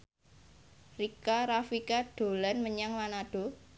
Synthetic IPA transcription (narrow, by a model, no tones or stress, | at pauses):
rikaɾafikaɖ̥o̤lanməɲaŋlanaɖ̥o̤